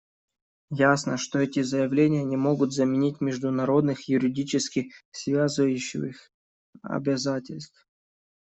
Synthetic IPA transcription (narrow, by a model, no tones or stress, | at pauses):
jasnəʂt̪oɛtʲɪzəjɪvlʲenʲɪjənʲɪmo̞ɡʊt̪zəmʲɪnʲitʲmʲɪʐd̪ʊnɐɾo̞d̪nɨxjʊɾʲɪdʲit͡ɕɪskʲɪsvʲazɨvəjʉɕːɪ̰ix | ɐ̰bʲɪzatʲɪlʲst̪f